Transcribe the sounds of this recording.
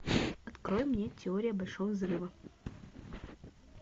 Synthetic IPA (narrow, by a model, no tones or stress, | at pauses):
oɐt̪kɾojmːnʲetʲɪoɾʲɪjəbɐlʲʂovəzrɨvə